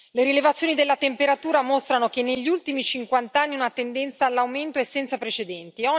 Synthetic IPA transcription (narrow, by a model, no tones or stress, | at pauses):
leɾilevat̪sjoːnid̪elːat̪empeɾat̪uːɾamost̪ɾanokenːeʎːiult̪imit͡ʃiŋkwant̪anːiunat̪end̪ɛnt̪saːlːawment̪oesːɛnt̪sapɾet͡ʃed̪ɛnt̪iɔ